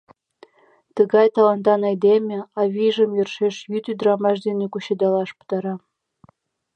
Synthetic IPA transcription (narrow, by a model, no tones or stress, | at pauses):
t̪əɣɑjt̪ɑlɑnt̪ɑnɑjd̪emʲeɑβʲiʒəmjørʃeʃjyt̪yd̪ɾɑmɑʃd̪enekuɕed̪ɑlɑʃpu̥t̪ɑɾɑ